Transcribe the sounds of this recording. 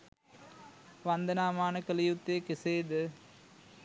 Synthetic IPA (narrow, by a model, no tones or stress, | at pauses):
ʋɐnd̪ənaːmaːnəkəlijut̪ːekiseːd̪ə